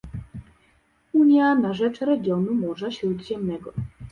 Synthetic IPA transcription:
uɲʲjanaʐɛt͡ʂɾɛɡʲjɔnumɔʐaɕɾud̪ʑɛmnɛɡɔ

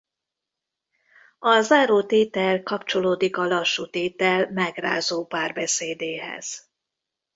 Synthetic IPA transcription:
ɒzaːɾoːt̪eːt̪ɛlkɒpt͡ʃo̞loːd̪ikɒlɒʃːut̪eːt̪ɛlmɛɡra̰ːzoːpaːrbɛseːd̪eːɦɛ̰z̥

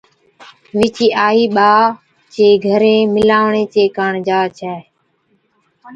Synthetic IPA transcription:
ʋɪt͡ʃiːaːiːɓaː | t͡ʃeːɡʱəɾẽːmɪlaːʋɳeːt͡ʃeːkəɳd͡ʒaːt͡ʃʰɛː

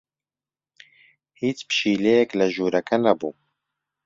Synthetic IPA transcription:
hiːt͡spʃiːlejɛklɐʒuːɾɐkʰɐnɐbuː

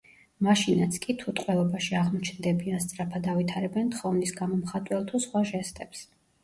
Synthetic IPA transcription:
maʃinat̪sʰkʼit̪ʰut̪ʼqʼwɛlˠɔbaʃiaʁmɔt͡ʃʰnd̪ɛbianst̪sʼɾapʰad̪avit̪ʰaɾɛbɛnt̪ʰχɔvnisɡamɔmχat̪ʼwɛlˠt̪ʰusχwaʒɛst̪ʼɛps

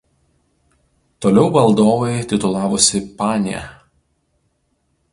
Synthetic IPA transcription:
t̪oːlʲɛʊbɐlˠd̪oːʋɐɪt̪ʲɪt̪ʊlˠɑːʋʊsʲɪpɑːnʲɪjɛ̰

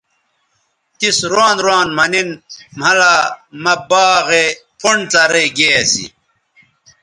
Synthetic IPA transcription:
t̪isɾwaːnɾwaːnmɐninm̤ɐlamɐbaːɣepʰuɳt͡sɐɾeɡeːɐsḭ

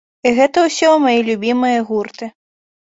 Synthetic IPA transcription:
iɣɛt̪ɐwsʲɔmajilʲubʲimɨjɐɣurt̪ɨ

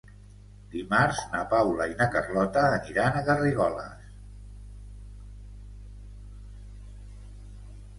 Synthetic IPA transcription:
d̪̥imaɾznəpawləinəkərlɔt̪əːniɾanəɣəriɣɔlə̰s

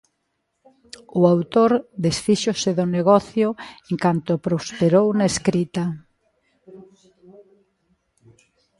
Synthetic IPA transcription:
ʊawt̪oɾd̪esfiʃosɪðʊneɣɔθjʊeŋkant̪ʊpɾospeɾownɐeskɾit̪ɐ

